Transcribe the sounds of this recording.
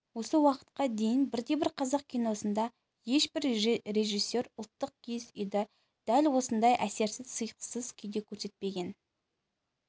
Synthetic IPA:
wo̞səwɑqə̥t̪̚qɑd̪e̞jɪnbɪɾd̪e̞bɪɾqʰɑzɑq̚kʲijno̞sənd̪ɑ | je̞ʃbɪɾre̞ʒisːe̞ɾʊlˠt̪ːəq̚kʲʰezʏjd̪ɪ | d̪̥ælwo̞sənd̪ɑjʔæse̞ɾsɪzsəjqə̥səzkʲʰʏjd̪e̞kʲʰɵɾse̞t̪̚pe̞ɡʲe̞n

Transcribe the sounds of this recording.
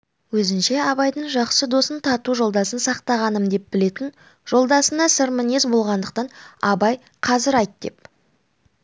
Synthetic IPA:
wɵzɪnʃe̞ɑβɑjd̪əɴʒɑqsəd̪o̞sənt̪ʰɑt̪uʒo̞lˠd̪ɑsənsɑqt̪ɑʁɑnəmd̪e̞p̚bɪle̞t̪ɪn | ʒ̥o̞lˠd̪ɑsənɑsɪɾmɪnezbo̞lˠʁɑnd̪əq̚t̪ɑnɑbɑj | qʰɑzɪɾɑjt̪̚d̪e̞̰p

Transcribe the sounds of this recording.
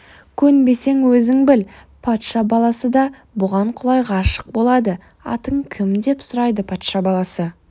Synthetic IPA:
kʲʰɵnbe̞se̞ŋwɵzɪŋbɪl | pʰɑt̪ʃɑbɑlˠɑsəd̪ɑ | bʊʁɑɴqʰʊlˠɑjʁɑːʃə̥q̚bo̞lˠɑd̪ə | ɑ̰t̪əɴkʲʰɪmd̪e̞psʊɾɑjd̪əpʰɑt̪ʃɑbɑlˠɑsə

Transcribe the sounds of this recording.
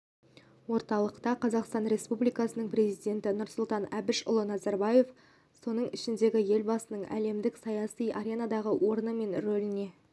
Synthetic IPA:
wo̞ɾt̪ɑlˠəqt̪ɑqʰɑzɑqst̪ɑnɾe̞spublijkɑsənəɴpɾe̞zijd̪ʲe̞nt̪ɪnʊɾsʊlˠt̪ɑnæbɪʃʊ̰lˠənɑzɑɾbɑje̞f | so̞nəɴɪʃɪnd̪e̞ɡʲɪje̞lbɑsənəɴæ̰le̞md̪ɪksɑjɑsijʔaɾʲenad̪ɑʁəwʔo̞ɾənəme̞nɾɵlɪne̞

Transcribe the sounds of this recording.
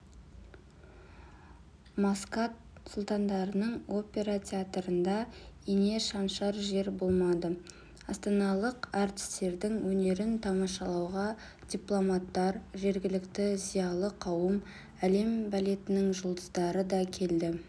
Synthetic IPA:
maskat̪̚ | sʊlˠt̪ɑnd̪ɑɾənəɴo̞pʲe̞ɾatʲʰeat̪ɾənd̪ɑene̞ʃɑnʃɑɾʒe̞ɾbo̞lˠmɑd̪ə | ɑst̪ɑnɑlˠəqɑɾt̪ɪ̥st̪e̞ɾd̪ɪŋwɵne̞ɾɪnt̪ʰɑmɑʃɑlˠɑwʁɑ | d̪̥ʲijplˠo̞mɑt̪ːɑɾʒe̞ɾɡʲɪlɪkt̪ɪzijɑlˠəqʰɑwəm | æle̞mbɑle̞t̪ɪnɪŋʒʊlˠd̪əzd̪ɑɾəd̪ɑkʲʰe̞ld̪ɪ

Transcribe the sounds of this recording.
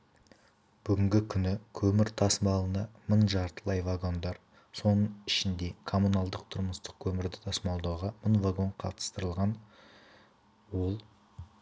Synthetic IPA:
b̥ʏɡʲɪŋɡʲɪkʲʰʏnɪkʲʰɵmɪɾt̪ʰɑsmɑlˠənɑməɴʒɑɾt̪əlˠɑjvaɡo̞nd̪ɑɾ | so̞nəɴɪʃɪnd̪e̞kʰo̞munɑlˠd̪əq̚t̪ʰʊɾməst̪ə̥q̚kʲʰɵmɪɾd̪ɪt̪ʰɑsmɑlˠd̪ɑwʁɑməɴvaɡo̞ɴqʰɑ̰t̪ə̥st̪əɾəlˠʁɑn | wo̞lˠ

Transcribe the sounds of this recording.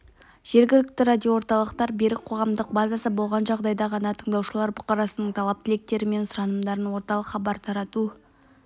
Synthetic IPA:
ʒ̥e̞ɾɡʲɪlɪk̚t̪ɪɾad̪ʲio̞wo̞ɾt̪ɑlˠəqt̪ɑɾbe̞ɾɪk̚qʰo̞ʁɑmd̪əq̚bɑzasəbo̞lˠʁɑnʒɑʁd̪ɑjd̪ɑʁɑnɑt̪ʰəɴd̪ɑwʃəlˠɑɾbʊqɑɾɑsənəɴt̪ʰɑlˠɑp̚t̪ʰɪle̞k̚t̪e̞ɾɪme̞nsʊɾɑnəmd̪ɑɾənwo̞ɾt̪ɑlˠəqχɑbɑɾt̪ʰɑɾɑt̪u

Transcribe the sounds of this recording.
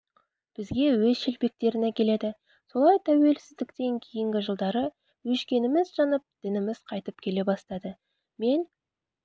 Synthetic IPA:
b̥ɪzɡʲe̞wɵzʃelpe̞k̚t̪e̞ɾɪne̞kʲʰe̞le̞d̪ɪ | so̞lˠɑjt̪ʰæwe̞lsɪzd̪ɪkt̪e̞ŋkʲʰejɪŋɡʲɪʒəlˠd̪ɑɾə | wɵʃkʲe̞nɪmɪzʒɑnəp̚d̪̥ɪnɪmɪzqʰɑjt̪əp̚kʲʰe̞le̞bɑst̪ɑd̪ə | me̞n

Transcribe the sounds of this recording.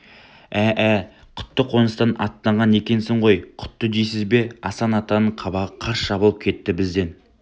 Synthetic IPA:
æʔæqʰʊ̥t̪ːəqʰo̞nəst̪ɑnʔɑ̰t̪ːɑɴʁɑne̞kʲe̞nsɪɴʁo̞jqʰʊ̥t̪ːəd̪ejsɪzbe̞ɑ̰sɑnɑt̪ɑnəɴqʰɑbɑʁəqʰɑɾsʃɑbəlˠəp̚kʲʰe̞t̪ːɪbɪzd̪e̞n

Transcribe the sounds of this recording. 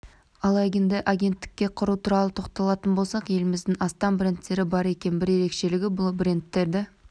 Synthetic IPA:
ɑlˠɑjɡʲend̪ɪʔaɡʲe̞nt̪ːɪ̥kʲːe̞qʰʊɾut̪ʰuɾɑlˠət̪ʰo̞qt̪ɑlˠɑt̪ənbo̞lˠsɑqje̞lɪmɪzd̪ɪŋɑst̪ɑmbɾent̪ːe̞ɾɪbɑɾe̞kʲe̞nbɪɾje̞ɾe̞kʃe̞lɪɡʲɪbʊlˠbrent̪ːe̞ɾd̪ɪ

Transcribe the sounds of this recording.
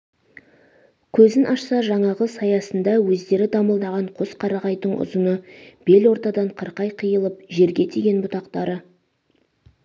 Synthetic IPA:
kʲʰɵzɪnʔɑʃsɑʒɑɴɑʁəsɑjɑsənd̪ɑwɵzd̪e̞ɾɪd̪ɑməlˠd̪ɑʁɑɴqʰo̞sqʰɑɾɑʁɑjd̪əɴʔʊ̰zənəb̥e̞lwo̞ɾt̪ɑd̪ɑɴqʰəɾqɑjqʰijəlˠəpʒe̞ɾɡʲe̞t̪ʰeɡʲe̞nbʊt̪ɑqt̪ɑɾə

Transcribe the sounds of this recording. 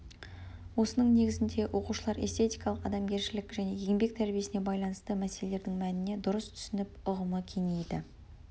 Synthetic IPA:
wo̞sənəɴne̞ɡʲɪzɪnd̪e̞wʔo̞quʃəlˠɑɾe̞̰st̪ʰe̞t̪ijkɑlˠəqɑd̪ɑmɡʲe̞ɾʃɪlɪkʒæne̞je̞ŋbe̞k̚t̪ʰæɾbije̞sɪne̞bɑjlˠɑnəst̪əmæselele̞ɾd̪ɪŋmænɪne̞d̪ʊɾəst̪ʰʏ̥sɪnɪpʊʁəməkʲʰe̞ŋe̞jd̪ɪ

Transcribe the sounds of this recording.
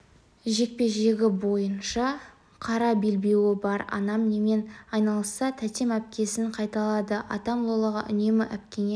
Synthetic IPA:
ʒe̞k̚pe̞ʒe̞ɡʲɪbo̞jənʃɑ | qʰɑɾɑbe̞lbe̞wɪbɑɾɑ̰nɑmne̞me̞nɑjnɑlˠəsɑt̪ʰæt̪e̞mæp̚kʲe̞sɪŋqʰɑjt̪ɑlˠɑd̪əʔɑ̰t̪ɑmlˠolˠəʁɑʔʏ̰ne̞mɪʔæp̚kʲe̞ne

